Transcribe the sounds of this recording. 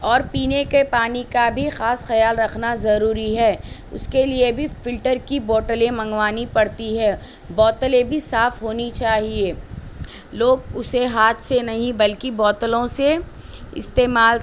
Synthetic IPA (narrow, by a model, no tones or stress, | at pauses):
ɔːɾpiːnekepaːnikabʱixaːsxɐjaːlɾɐkʰnazɐɾuːɾiɦɛːʊ̰skeliebʱifɪlʈəɾkibɔːʈəlẽmɐ̃ŋɡwaːnipɐɽt̪iɦɛː | bɔːt̪əlẽbʱisaːfɦoːnit͡ʃaːɦieː | loːɡʊseɦaːt̪ʰsenɐɦĩbɐlkibɔːt̪əlõse | ɪ̰st̪eːmaːl